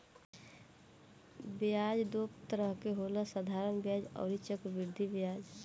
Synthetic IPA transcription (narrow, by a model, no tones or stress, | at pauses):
bjaːd͡ʒd̪oːpt̪əɾəɦkeɦoləsəd̪ʱaːɾənbjaːd͡ʒɔ̰ːɾit͡ʃəkʋɪɾd̪ʱibjaːd͡ʒ